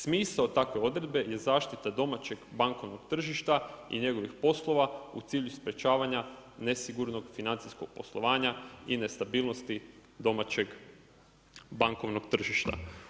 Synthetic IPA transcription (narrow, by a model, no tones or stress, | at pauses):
smiːsaot̪akʋe̞o̞d̪ɾe̞d̪be̞je̞zaːʃt̪it̪ad̪o̞mat͡ɕe̞ɡbaŋkoʋno̞ɡt̪r̩ʒiʃt̪aḭɲe̞ɡo̞ʋixpo̞slˠo̞ʋaṵt̪iːʎuspɾe̞t͡ʃaːʋaɲane̞siɡuɾno̞ɡfinant̪siskoɡ̥̚po̞slˠo̞ʋaːɲaine̞st̪abiːlˠno̞st̪id̪o̞mat͡ɕe̞ɡ | baŋko̞ʋno̞ɡ̚t̪r̩ʒiʃt̪a̰